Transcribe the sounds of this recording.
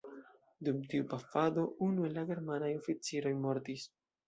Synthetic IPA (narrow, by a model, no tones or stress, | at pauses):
dumtiupafado̞unue̞laɡe̞ɾmanajo̞fit͡siɾo̞jmo̞ɾtis